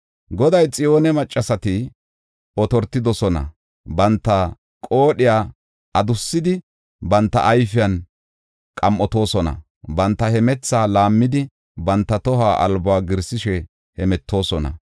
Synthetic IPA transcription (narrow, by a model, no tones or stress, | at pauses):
ɡɔd̪ɐjt͡sʼɪjo̞ːnɛmɐt͡ʃʼːɐsɐt̪ɪ | ɔt̪ɔɾt̪ːɪd̪ɔsɔnɐ̰ | bɐnt̪ːɐ | kʼo̞ːɗɪjaː | ɐd̪ʊsːɪd̪ɪ | bɐnt̪ːɐ̰ʔːjfɪjɐn | kʼɐmʔɔt̪o̞ːsɔnɐ̰ | bɐnt̪ːɐhɛmɛt͡sːaːlaːmːɪd̪ɪ | bɐnt̪ːɐt̪ɔɦaːʔɐ̰lbɔaːɡɪɾsɪʃɛ | hɛmɛt̪ʰːo̞ːsɔnɐ̰